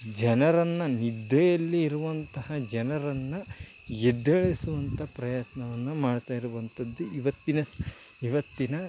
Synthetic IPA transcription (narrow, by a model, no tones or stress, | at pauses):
d͡ʒɐnɐɾɐnːɐnid̪ɛjɐlːiːɾuʋɐnt̪ɐhɐd͡ʒɐnɐɾɐnːɐ | jed̪ːɐɭisuʋɐnt̪ʰɐpɾɐjat̪nɐʋɐnːumaːɖt̪aːjiɾuʋɐnt̪ɐd̪ːuiʋɐt̪ːinɐ | iʋɐt̪ːinɐ